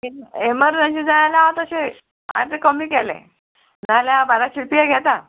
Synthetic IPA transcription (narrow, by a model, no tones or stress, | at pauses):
eeməɾd͡zə̃nɕid͡zanaljaɦãt̪əɕe | ã̰t̪ekəmiːkɛlḛ̃ | d͡zãljaãbaɾaɕipiaɡʱɛt̪a